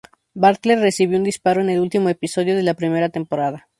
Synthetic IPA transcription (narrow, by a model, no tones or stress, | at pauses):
baɾt̪leɾːe̞siβjound̪ispaɾo̞ene̞lult̪imo̞e̞piso̞ð̞jo̞ð̞e̞lapɾime̞ɾat̪e̞mpo̞ɾaða